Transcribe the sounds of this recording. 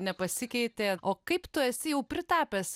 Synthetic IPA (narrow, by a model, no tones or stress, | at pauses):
nʲɛpɐsʲɪkʲɛɪt̪ʲeːoːkɐɪpt̪ʊɛsʲɪjɛʊpʲɾʲɪt̪ɑːpʲeːs